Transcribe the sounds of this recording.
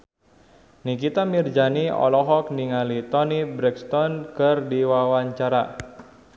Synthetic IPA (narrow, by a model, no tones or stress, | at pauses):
nikit̪amird͡ʒaniɔ̰lɔɦɔk̚niŋalit̪ɔnibɾɛkst̪ɔnkərdiwawaɲt͡ʃaɾa